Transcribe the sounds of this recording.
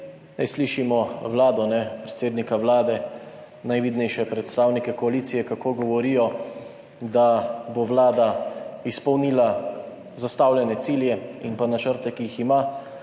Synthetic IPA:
najsliʃimɔwlaːd̪ɔnɛpɾɛt̪seːd̪nikawlaːd̪ɛ | najʋiːd̪nɛjʃɛpɾɛt̪st̪aːwnikɛkɔaliːt̪sijɛkakoːɡɔʋɔɾiːjɔ | d̪aboʋlaːd̪aispɔwniːla | zast̪aːwljɛnɛt̪siːljɛinpanat͡ʃəɾt̪ɛkijixima

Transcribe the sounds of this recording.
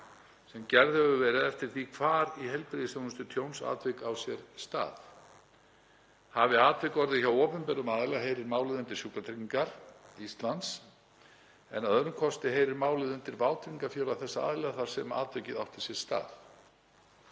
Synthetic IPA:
sɛmcɛɾðhɛvʏvɛːɾɪðɛft̪ɪɾ̥θikʰvaːɾiɦɛlpɾɪðɪsjawnʏst̪ʏt̪ʰjownsa̰ːt̪vɪkawsjɛɾst̪a̰ːθ | havɪaːt̪vɪkɔɾðɪçawɔːpʏnpɛɾʏmaːðlɛɣaɦejɾɪɾmaːwlɪðʏnt̪ɪɾ̥sjuːkat̪ʰɾiiŋkaɾ̥ist̪lant̪s | ɛnaðœɾʏmkʰɔst̪ɪɦeːjɾɪɾmaːwlɪðʏnt̪ɪɾvaːwt̪ɾiŋkaɾfjɛːlawθɛsːaa̰ːðɪlɛɣaθaɾ̥sɛma̰ːt̪vejcɪðawht̪ɪ̥sjɛɾ̥st̪a̰ːθ

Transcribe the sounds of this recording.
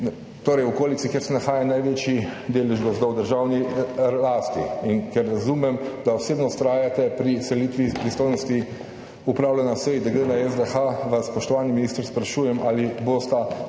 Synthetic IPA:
t̪oːɾɛjwɔkoːlitsikjeɾsɛnaxaːjanajʋeːt͡ʃid̪eːlɛʒɡɔzd̪ɔwd̪əɾʒawnilaːst̪iinkɛɾːazumɛmd̪aɔseːbnɔst̪ɾaːjat̪ɛpɾisɛlit̪ʋipɾist̪oːjnɔst̪i | upɾaːwlɛnasɛjid̪aɡɾeːnaɛzd̪ɛxaʋasːpɔʃt̪ɔʋaːniminiːst̪ɾspɾaʃuːjɛmʔaːlibost̪a

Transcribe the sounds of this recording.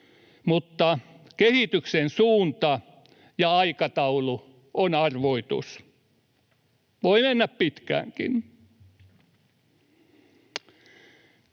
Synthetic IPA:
mut̪ːɑ | kehit̪yksensuːnt̪ɑ | jɑɑikɑt̪ɑulu | onɑrʋoit̪ṵs | ʋoimenːæppit̪kæ̰ːŋkḭn

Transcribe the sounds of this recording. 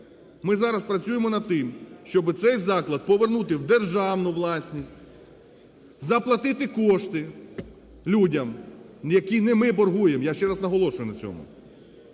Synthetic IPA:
mɪzɑɾɐspɾɐt͡sʲujemɔnɐd̪̚t̪ɪmʃt͡ʃɔbɪt̪sɛjzɑklˠɐd̪̚pɔʋernut̪ɪwd̪erʒɑwnʊʋlˠɑsʲnʲisʲtʲ | zɐplˠɐt̪ɪt̪ɪkɔʃt̪ɪ | lʲudʲɐm | jɐkʲinɛmɪbɔrɦujemjaʃt͡ʃɛɾɐznɐɦɔlˠɔʃʊjʊnɐt͡sʲɔ̰mʊ̰

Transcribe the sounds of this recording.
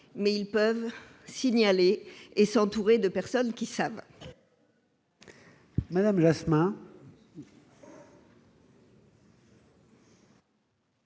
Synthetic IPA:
mɛilpœv | siɲaleːsɑ̃t̪uʁed̪əpɛʁsɔnkʲisav | mad̪amʒasmɛ̃

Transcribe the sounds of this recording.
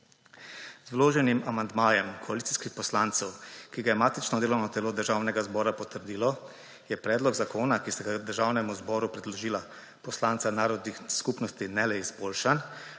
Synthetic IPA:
zwloːʒɛnimʔamand̪maːjɛmkʰɔalit̪si̥skixpɔslaːnt̪sɛwkiɡajɛmaːt̪it͡ʃnɔd̪eːlɔwnɔt̪ɛloːd̪əɾʒaːwnɛɡazbɔːɾapɔt̪əɾd̪iːlɔ | jɛpɾɛːd̪lɔɡzakoːnakisɛɡad̪əɾʒaːwnɛmuzbɔːɾupɾɛd̪lɔʒiːla | pɔslaːnt̪sanaːɾɔd̪nixskupnɔst̪inɛlɛizboːlʃan

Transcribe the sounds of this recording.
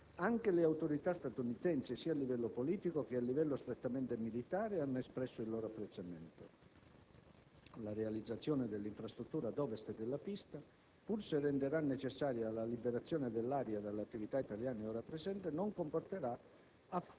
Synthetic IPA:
aŋkeleawt̪oɾit̪ast̪at̪unit̪ɛnsɪsiːalːivɛlːopoliːt̪ikok̟ɪalːivɛlːost̪ɾet̪ːamɛnt̪emilit̪aːɾeanːoespɾɛsːoilːɔːɾoapːɾet̪sːamɛnt̪o | larealid̪zːat̪sːjɔːned̪elːiɱfɾast̪ɾut̪ːuːɾad̪ɔːvest̪ed̪elːapist̪a | purserɛnd̪eɾanːet͡ʃesːaːɾjalalibeɾat̪sːjɔːned̪elːaːɾjad̪alːeat̪ːivit̪ait̪aljaːneɔːɾapɾezɛnt̪enoŋkomport̪eɾa | a

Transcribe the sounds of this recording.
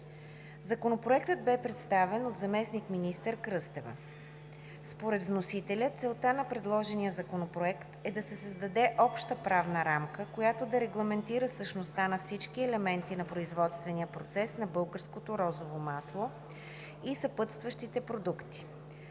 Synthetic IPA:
zɐkonopɾoɛkt̪əd̪̚bɛpɾɛt̪st̪avɛnod̪zɐmɛsnikminist̪əɾkɾɤst̪ɛvə̰ | spoɾɛd̪vnosit̪ɛlʲət̪sɛlˠt̪anɐpɾɛd̪lˠɔʒɛnijəzɐkonopɾoɛkt̪ɛd̪ɐsɛsəzd̪ɐd̪ɛʔɔpʃt̪əpɾavnəɾamkəkojat̪od̪ɐɾɛɡlˠɐmɛnt̪iɾəsəʃnost̪anɐfsit͡ʃkiɛlɛmɛnt̪inɐpɾoizvɔt̪st̪vɛniəpɾot̪sɛsnɐbɤlˠɡəɾskot̪oɾɔzovomaslˠo | isɐpɤt̪st̪vəʃt̪it̪ɛpɾod̪ukt̪i̥

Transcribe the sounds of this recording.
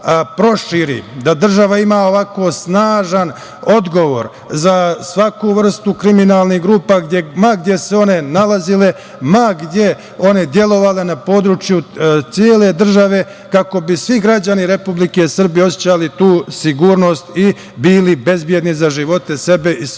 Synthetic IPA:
pɾo̞ʃiɾḭd̪ad̪r̩ʒaʋaimaːo̞ʋako̞snaːʒan | o̞d̪ɡo̞ʋo̞ɾ | zasʋakuʋr̩st̪ukɾiminaːlˠniɦɡɾuːpaɡd̪jemaɡd̪je̞se̞o̞ne̞nalazile̞ | maɡd̪je̞ | o̞ne̞d̪je̞lo̞ʋale̞napo̞ːd̪ɾut͡ʃjut̪sjeːle̞d̪r̩ʒaʋe̞ | kako̞bisʋiɡɾad͡ʑaniɾe̞publike̞sr̩bijeo̞sjet͡ɕalit̪uːsiɡuːɾno̞ːst̪i | biːlibe̞zbje̞d̪nizaʒiʋo̞t̪e̞se̞be̞ʔi

